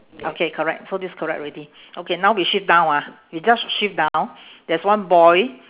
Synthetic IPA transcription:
ʔokʰekʰəɹɛ̰k̚sodiskʰəɹɛ̰k̚ɹidi | ʔokenãwwiʃip̚dãʊ̃na | wid͡ʒasʃip̚dãw̃ndɛswãnbɔj

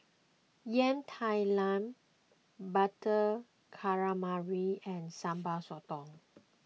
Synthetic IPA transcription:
jɛ̃ntʰajlãn | batə | kʰaɹamaɹiɛ̃nsãmbasɔtɔ̃ŋ

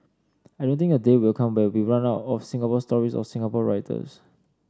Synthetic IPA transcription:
aɪjdõnt̪ɪ̃ŋədewilkʰãmwɛwiɹãnaʊtɔfsĩŋɡapɔstɔɹisɔ̰fsĩŋapɔɹaɪtʰə̰s

